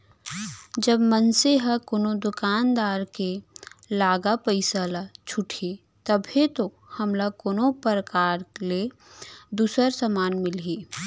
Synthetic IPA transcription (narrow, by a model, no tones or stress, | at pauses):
d͡ʒəbmənseɦɐkoːnod̪ʊkaːnd̪aːɾkelaːɡapəɪsalat͡ʃʰʊʈʰi | t̪əbʱɦet̪o | hɐmlakoːnopəɾəkaːɾle | d̪uːsəɾsəmaːnmɪlɦiː